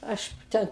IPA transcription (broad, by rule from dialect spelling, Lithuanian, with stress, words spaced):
ˈɐʃ ˈtʲɛ